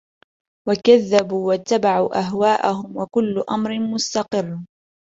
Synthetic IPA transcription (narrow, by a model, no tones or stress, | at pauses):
wakaðːabuːwat̪ːabaʕuːʔaɦwaːʔahʊmwakʊlːʊʔamɾɪmʊst̪ɑqɨrː